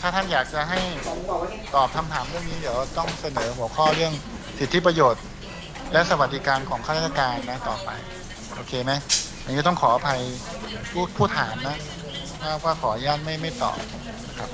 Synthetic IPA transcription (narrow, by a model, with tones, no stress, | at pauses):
t̪ʰaː˥˩t̪ʰa˥˩njaː˨˩k̚t͡ɕa˨˩ɦa˥˩j | t̪ɔː˨˩p̚t̪ʰa˧mt̪ʰaː˩˦mɾɯ˥˩əŋniː˦˥d̪iː˩˦əwa˥˩t̪ɔ˥˩ŋsa˧nɤː˩˦ɦu˩˦əkʰɔː˥˩ɾɯ˥˩əŋ | si˨˩t̪ʰːi˦˥p̬ɾa˧joː˨˩t̪̚ | lɛ˦˥ʔsa˧wa˨˩t̪̚d̪i˦˥kaː˧nkʰɔː˩˦ŋʰa˥˩ɾaː˥˩t̪ʰːa˧kaː˧nːa˦˥t̪ɔ̰ː˨˩pa˧j | ʔoː˧kʰeː˧ma˦˥ja˨ŋiː˦˥˩t̪ɔ˥˩ŋkʰɔː˩˦a˧pʰa˧j | pʰuː˥˩pʰuː˥˩t̪ʰːaː˩˦mna˦˥ | kʰaː˥˩kʰaː˥˩kʰɔː˩˦˧jaː˥˩nma˥˩jma˥˩jt̪ɔ̰ː˨˩p̚ | na˥kʰa˦˥p̚